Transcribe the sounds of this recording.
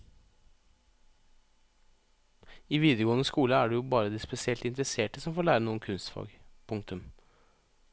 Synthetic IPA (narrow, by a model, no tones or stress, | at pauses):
iːʋiːd̪əɡoːnəskuːləæːɖɛjuːbɑːɾəd̪iːspɛsɪɛlt̪ɪnt̪ɾəseːʈəsɔmfoːɭæːɾənuːənkʰʉnst̪fɑ̰ːɡpʰʊŋk̚t̪ʉm